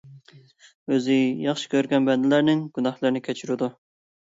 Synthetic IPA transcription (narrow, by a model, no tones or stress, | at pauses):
øzɪjɑχʃi̥kʲʰøɾɡʲɛnbɛnd̪ɪlæɾnɪŋɡ̥ʲunɑχlˠəɾnɪkʲʰɛt͡ʃʰyɾud̪u